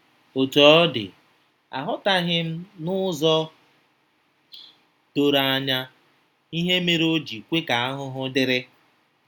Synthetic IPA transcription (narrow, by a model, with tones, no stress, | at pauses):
o˨tɔ˨˦dɪ̰˨ | a̰˨ɦʊ˦ta˦ɦɪ˦m̩˦nʊ˦zɔ˦ | to˨ɾa˨a˦ɲa˦ | i˦ɦe˦me˦ɾo˦d͡ʒi˨kʷe˦ka˨a˦ɦʊ˦ɦʊ˦dɪ˦ɾɪ˦